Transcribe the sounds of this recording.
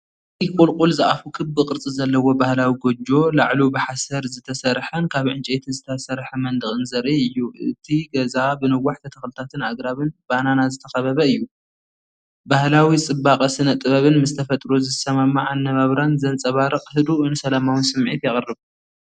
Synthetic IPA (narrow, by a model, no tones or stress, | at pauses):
ijkʼulkʼulzɨʔafukʰɨbːɨqʼɨɾt͡sʼizɐlːɐwo̞bahlawiɡod͡ʒo̞laʕlubɨħasɐɾzɨt̪ʰɐsɐɾħɐnkʰaβʕɨnt͡ʃʼet̪ʰizɨt̪ʰɐsɐɾħɐmɐnd̪ɨxʼɨnzɐɾiɨjːuʔɨ̰t̪ʰiɡɐzabɨnɨwaħt̪ʰɐt̪ʰɐxlɨt̪ʰat̪ʰɨnaɡɾaβɨnbananazɨt̪ʰɐxɐβɐβɐɨjːu | bahlawit͡sʼɨbːaqʼɐsɨnɐt̪ʼːɨβɐβɨnmɨst̪ʰɐfɐt̪ʼɾozɨsɐmamːaʕanːɐβaβɾanzɐnt͡sʼɐβaɾɨqʼhɨd̪uɨnɨsɐlamawɨnsɨmʕḭt̪jɛχʼɨrːɨβ